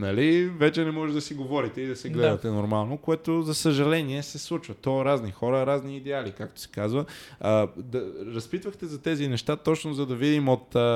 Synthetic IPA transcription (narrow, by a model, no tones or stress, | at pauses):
nɐlivɛt͡ʃɛnɛmɔʒɛd̪ɐsiɡovɔɾit̪ɛid̪ɐsɛɡlɛd̪ɐt̪ɛnoɾmalˠnokoɛt̪ozɐsəʒɐlɛniɛsɛslˠut͡ʃvɐt̪ɔɾaznixɔɾəɾazniːd̪ɛalikakt̪o̥sɛ̥kazvə | d̪ɐɾɐspit̪vəxt̪ɛzɐt̪ɛzinɛʃt̪at̪ɔt͡ʃnozɐd̪ɐvid̪imot̪